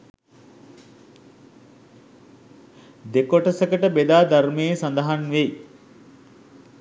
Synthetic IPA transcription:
d̪ekoʈəsəkəʈəbed̪aːd̪aɾmeːsand̪əɦanʋe

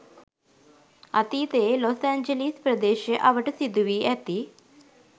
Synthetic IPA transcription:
a̰t̪it̪elɔsaɲd͡ʒəlispɾəd̪eːɕəʔaʋəʈsid̪uʋiɛt̪i

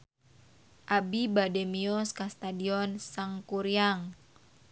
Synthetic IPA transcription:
ʔabibadɛmiɔskast̪adiɔnsaŋkuɾiaŋ

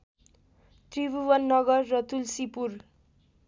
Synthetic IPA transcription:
t̪ribuwʌnːʌɡʌrːʌt̪ulsipur

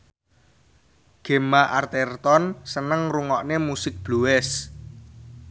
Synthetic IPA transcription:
ɡ̥e̤maʔart̪ɛrt̪ɔnsənəŋruŋɔʔnemusɪk̚b̥luɛs

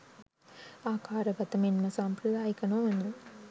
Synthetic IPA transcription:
aːkaːɾəɡɐt̪əminməsaːmpɾɐd̪aːjikənoʋenu

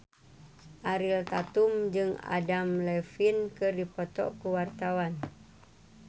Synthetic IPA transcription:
ʔaɾilt̪at̪umd͡ʒɨŋa̰damlɛfinkɨrdipɔt̪ɔ̰ʔkuwart̪awan

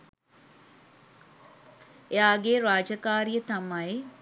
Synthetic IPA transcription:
eaːɡeɾaːd͡ʒəkaːɾijət̪amaje

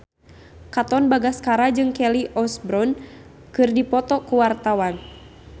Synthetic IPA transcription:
kat̪ɔnbaɡaskaɾad͡ʒɨŋkɛliʔɔsbɾɔn | kɨrdipɔt̪ɔkuwart̪awan

